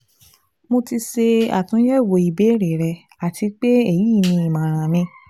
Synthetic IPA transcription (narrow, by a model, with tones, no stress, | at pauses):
mo˧ti˧se˧a̰˨tũ˨˦jɛ˦˨wo˨i˨be˨˦ɾe˨ɾɛ˧ | a˨tʰi˧k͡pe˦e˦˨jiː˦˨nĩ˧˦i˨mã˨ɾ̃ã˨nĩ˧˦